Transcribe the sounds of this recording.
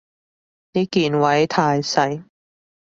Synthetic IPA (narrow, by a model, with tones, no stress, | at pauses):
niː˦˥kiː˨nwɐ˨˥jt̪ʰaː˧jsɐ˨˥j